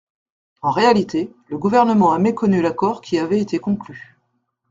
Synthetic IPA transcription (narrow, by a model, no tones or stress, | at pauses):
ɑ̃ʁealit̪ʰeləɡuvɛʁnəmɑ̃amekɔnylakɔʁkʲʰiavɛet̪ekɔ̃kly